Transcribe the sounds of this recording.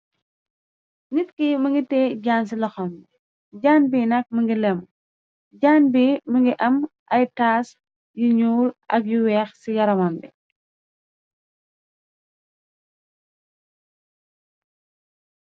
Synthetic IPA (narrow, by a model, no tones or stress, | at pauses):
ŋitkiməŋɡitɛːɟaːns̬ilɐxɔm | ɟaːnbiːnɐk̚məŋɡilɛm | ɟaːnbiːməŋɡiʔɐmʔɐjtaːs | juɲuːlʔɐ̰kjuwɛːxsijɐɾɐmɐmbɛ̰